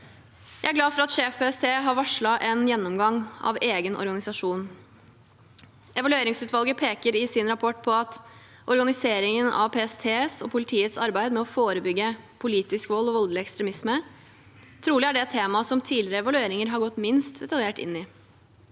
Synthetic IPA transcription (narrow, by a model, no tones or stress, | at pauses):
jæɪæɾɡlɑːfɔɾɑt̪ʂeːfpʰeːɛst̪ʰeːɦɑɾʋɑʂɭɑʔɛnjɛnːɔmɡɑŋɑ̰ʋeːɡənʔɔ̰ɾɡɑnɪsɑʂuːn | ʔɛʋɑlʉeːɾɪŋsʉːt̪ʋɑlɡəpʰeːkəɾɪsɪnɾɑpʰɔʈːpʰɔɑt̪ | ʔɔɾɡɑnɪseːɾɪŋənɑ̰ʋpʰeːɛst̪ʰeːsɔpʰʊlɪt̪ʰiːət̪sɑɾbæɪd̪mɛɔfoːɾəbʏɡːəpʰʊliːt̪ɪskʋɔlːɔʋɔld̪lɪɛkst̪ɾɛmɪsmə | t̪ʰɾuːlɪæɖɛt̪ʰːeːmɑsɔmt̪ʰiːlɪɾəɛʋɑlʉeːɾɪŋəɾɦɑɾɡɔt̪ːmɪnst̪d̪ɛt̪ɑljeːʈɪ̰nːɪ